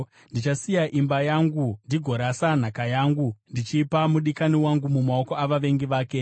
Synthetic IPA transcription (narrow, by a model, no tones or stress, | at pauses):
ndit͡ʃasijaʔimbajaːŋɡundiɡʱo̞ɾasan̤akajaːŋɡundit͡ʃiːpamuɗikaniwaŋɡumumao̞ko̞aʋaʋe̞ŋɡiʋaːke